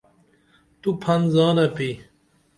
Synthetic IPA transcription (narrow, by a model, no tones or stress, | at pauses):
t̪upʰɐnzaːnɐpi